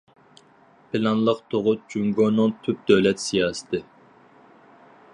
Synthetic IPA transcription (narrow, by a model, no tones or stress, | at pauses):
pʰɪlɑnlˠəqt̪ʰoʁʊd͡ʒyŋɡonɨŋt̪ʰyp̚d̪øwlɛt̪sijɑːsɨ̥t̪ʰɨ